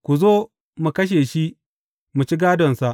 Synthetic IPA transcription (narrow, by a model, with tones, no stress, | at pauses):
kʷu˨zoː˦ | mu˨kɐ˦ʃ̬eː˨ʃi˦ʔ | mu˨t͡ʃi˦ɡaː˦dɔ˨nsa˨ʔ